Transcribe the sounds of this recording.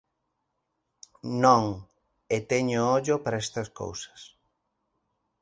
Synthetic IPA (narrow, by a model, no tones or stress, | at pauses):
nõŋ | et̪eɲoɔʎopaɾaest̪ɐsko̰wsɐ̥s